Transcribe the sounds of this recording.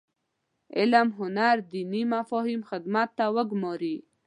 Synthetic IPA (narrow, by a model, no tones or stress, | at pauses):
ɪ̰lamɦʊnaɾd̪inimafohimxɪd̪mat̪ːawəɡmoɾi